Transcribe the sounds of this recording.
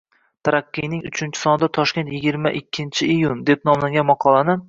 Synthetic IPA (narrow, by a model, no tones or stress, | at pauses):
t̪ʰaɾaqːɨjnɪŋʊt͡ʃʰɪnt͡ʃʰɪ̥sɒnɪd̪at̪ʰɒʃkʲent̪jɪɡʲɪɾmaʔɪkʲʰːɪnt͡ʃʰɪijund̪e̞p̚nɒmlaŋɡʲanmɑqʰɒlˠanɪ